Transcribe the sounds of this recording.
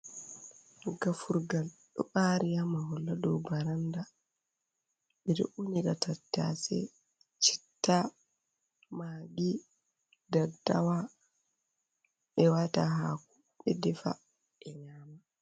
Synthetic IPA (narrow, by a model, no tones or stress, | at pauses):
ɡafuɾɡalɗɔ̰ɓaɾijamahɔlːadɔwbaɾanda | ɓɛɾɛ̰ʔuniɡatatːa̰sɛ̰ | t͡ʃi̥tːa | maːɡi | dadawa | ʔɛwataɦaku | ɓɛdɛfa̰ | ɛɲaːma